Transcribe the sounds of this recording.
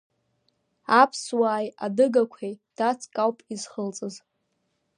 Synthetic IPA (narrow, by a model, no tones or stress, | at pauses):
apʰswaːjadɨɡakʷʰejd̥at͡sʰʼkʼawpʼizχəlt͡sʼɨz